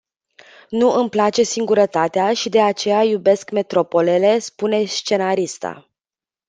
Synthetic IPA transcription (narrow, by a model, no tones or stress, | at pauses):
nuʔɨmplat͡ʃe̞siŋɡuɾət̪at̪eaʃid̪e̞at͡ʃe̞jajube̞skme̞t̪ɾo̞po̞le̞le̞spune̞st͡ʃe̞naɾist̪a̰